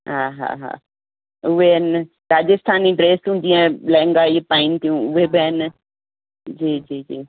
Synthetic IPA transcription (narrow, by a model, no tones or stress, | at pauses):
ɦaːɦa̰ːɦa̰ː | ʊʋeɪnɪ | ɾaːd͡ʑɪst̪ʰaːniɖɾeːst̪ũd͡ʑĩːẽlɛ̃ːŋɡaːipaːɪnt̪ʰijũʊʋebɦɪn | d͡ʑiːd͡ʑiːd͡ʑiː